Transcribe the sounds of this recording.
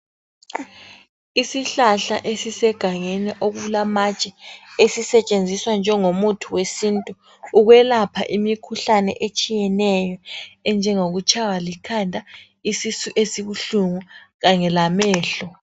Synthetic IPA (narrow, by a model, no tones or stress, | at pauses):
isiɬaɬa̰ʔesisɛɡ̥ʱaŋɛnɛʔoɣuulamat͡ʃʼɛesisɛt͡ʃʼend͡zʱiswand͡ʒʱɛŋomutʰuwesintʼu | uɣwɛlapʰa̰ʔimikʰuɬanɛ̰ʔet͡ʃʼijɛnɛjɔɛnd͡ʒʱɛŋoɣut͡ʃʰʼawalikʰandʱa | isisuʔesiɣuɬuŋuɣaŋɛlamɛːɬɔ